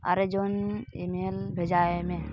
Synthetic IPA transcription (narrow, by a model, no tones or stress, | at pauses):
a̰ɾed͡ʒonḭmeːlbʱed͡ʒaːemẽ